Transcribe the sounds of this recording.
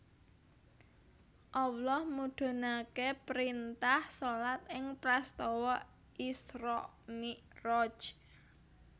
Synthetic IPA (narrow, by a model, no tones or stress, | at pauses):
ʔɔwlɔhmuɖ̪̥o̤nakepɾint̪ahsolat̪̚ɪŋpɾast̪ɔwɔ | isɾɔʔ | nirɔd͡ʒ